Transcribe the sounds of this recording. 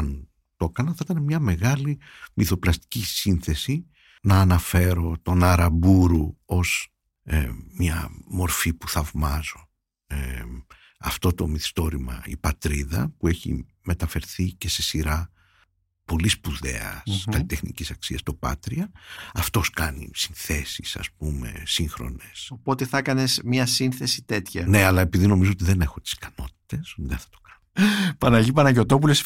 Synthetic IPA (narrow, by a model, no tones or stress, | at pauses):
ɐn | t̪o̞kɐnɐθɐit̪ɐnemɲɐme̞ɣɐli | miθo̞plɐst̪i̥cisinθe̞si | nɐːnɐfe̞ɾo̞t̪o̞nɐɾɐbuɾuo̞z | mɲɐmo̞ɾfipu̥θɐvmɐzo̞ | ɐ̰ft̪o̞t̪o̞miθi̥st̪o̞ɾimɐ̰ḭpɐt̪ɾiðɐ̰pue̞çḭ | me̞t̪ɐfe̞ɾθice̞se̞siɾɐ | po̞lispuðe̞̰ɐ̰skɐlit̪e̞xnḭcisɐksiɐst̪o̞pɐ̰t̪ɾiɐɐft̪o̞skɐnḭsinθe̞sisɐ̰sp̚ume̞̰siŋxɾo̞̰ne̞sopo̞t̪eθɐkɐne̞smiɐsinθe̞sit̪e̞t̪çɐne̞ɐlɐe̞piðino̞mizoot̪iðe̞ne̞xo̞t̪i̥skɐno̞t̪̚i̥t̪e̞sot̪iðenθɐ̥t̪o̞̥kɐ̥nopɐnɐʎipɐnɐʝo̞t̪o̞pules